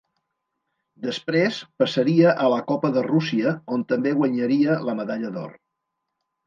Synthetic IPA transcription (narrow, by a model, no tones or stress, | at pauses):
d̪əspɾespəsəɾiəʔələkɔpəðərusiəont̪əmbeɣwəɲəɾiələməðaʎəðɔ̰r